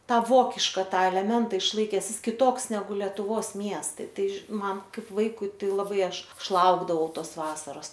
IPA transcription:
ˈtɑː ˈʋoːkʲɪʃkɐ ˈtɑː ɛlʲɛˈmʲɛntɐ ɪʃˈlˠɐɪkʲɛs ˈjɪs kʲɪˈtoːks nʲɛˈɡʊ lʲɛtʊˈʋoːs ˈmʲiɛstɐɪ ˈtɐɪ ʒʲɪ ˈmɐn ˈkɐɪp ˈʋɐɪkʊɪ ˈtɐɪ lˠɐˈbɐɪ ˈɐʃ ˈɐʃ ˈlˠɐʊɡdɐʋɐʊ ˈtoːs ˈʋɑːsɐroːs

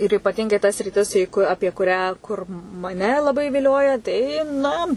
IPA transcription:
ɪr iːpɐˈtʲɪŋɡɐɪ tɐ sʲrʲɪˈtʲɪs iː kʊ ˈɑːpʲiɛ kʊˈrʲæː kʊr mɐˈnʲɛ lˠɐˈbɐɪ ʋʲɪˈlʲoːjɛ ˈtɐɪ ˈnɐ

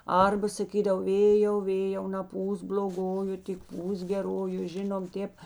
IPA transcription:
ˈɐrbɐ sɐˈkʲiːdɐw ˈʋʲeːjɛʊ ˈʋʲeːjɛʊ nɐˈpuːsk bʲlʲoːˈɡoːjʊ tʲɪk ˈpuːsk ɡʲɛˈroːjʊ ˈʒʲɪnoːm ˈtʲeːp

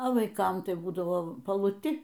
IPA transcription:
oː ʋɐɪˈkɐm ˈtɐɪ ˈbuːdɐʋoː pɐlˠʊˈtʲɪ

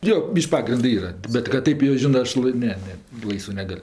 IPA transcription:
joː ˈbʲiːʃʲkʲ ˈpɑːɡrʲɪndɜ ˈiːrɐ bʲɛt kɐt ˈtɐɪp joː ˈʒʲɪnɜ ˈɐʃ lˠɐɪ ˈnʲɛ ˈnʲɛ ˈlˠɐɪsʋɜ ˈnʲæːɡɐlʲ

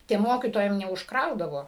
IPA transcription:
tʲiɛm ˈmoːkʲiːtoːjɛm nʲɛʊʃkˈrɐʊdɐʋoː

